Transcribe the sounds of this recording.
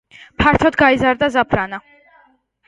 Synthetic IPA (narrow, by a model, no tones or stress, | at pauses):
pʰaɾt̪ʰɔd̪ɡaizaɾd̪azapʰɾana